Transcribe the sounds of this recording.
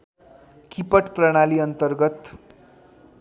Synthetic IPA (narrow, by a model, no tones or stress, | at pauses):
kipəʈpɾəɽ̃aliːʌnt̪ərɡət̪